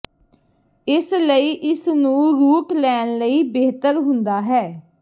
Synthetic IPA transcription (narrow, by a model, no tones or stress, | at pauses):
ɪsləiːʔɪsnũːɾuːklɛːnləiːbeːɦt̪əɾɦʊnd̪aːɦɛː